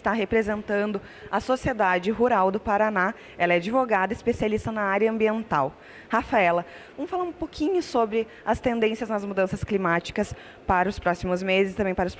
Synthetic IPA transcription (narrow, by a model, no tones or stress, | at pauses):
st̪aɦepɾezẽnt̪ɐ̃nd̪ʊ | ɐsosied̪ad͡ʒɪɦuɾawd̪ʊpaɾana | ɛlɐɛad͡ʒivoɡad̪ɐɪspesialist̪ɐnɐaɾjɐɐ̃mbiẽnt̪aw | hafaɛlɐ | vɐ̃mʊfalaũpokʰĩɲʊsobɾɪ | ɐst̪ẽnd̪ẽsjɐznɐzmud̪ɐ̃sɐsklimat͡ʃi̥kɐs | paɾɐʊspɾɔsimʊzmezɪsɪt̪ɐ̃mbẽj̃paɾɐʊs